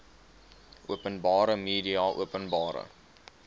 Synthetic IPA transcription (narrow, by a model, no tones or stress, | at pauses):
ʔuəpənbɑːɾəmiːdiɑʔuəpənbɑːɾə̰